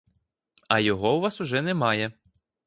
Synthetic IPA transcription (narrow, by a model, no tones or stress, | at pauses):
ɐjɔɦɔwʋɑsʊʒɛnɛmɑjɛ